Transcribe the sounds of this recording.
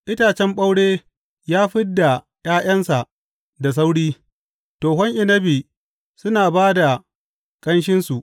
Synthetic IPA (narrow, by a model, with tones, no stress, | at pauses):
ʔɪ˦taː˨t͡ʃɛ˦mɓa˦wɽeː˦ | jaː˦ɸɪ˦dːa˨ | j̰aː˦j̰ɐ˦nsa˨ʔ | da˨s̬a˦wɽiː˦ | toː˨ɦɔ˦ŋʔɪ˨nɐ˦biː˨ | sʊ˦naː˨baː˦da˨ | kʼɐ˦nʃ̬ɪ˦nsu˨ʔ